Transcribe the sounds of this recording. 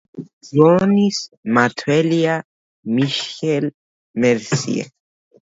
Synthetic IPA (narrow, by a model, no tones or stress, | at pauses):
onismat̪ʰwɛlia | miʃɛl | mɛɾsḭḛ